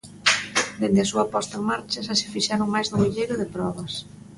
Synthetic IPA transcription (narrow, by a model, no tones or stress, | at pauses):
d̪end̪eɐsuɐpɔst̪ɐeŋmaɾt͡ʃɐʃasɪ̥fiʃaɾoŋmajzðʊiʎejɾʊðɪpɾɔβɐs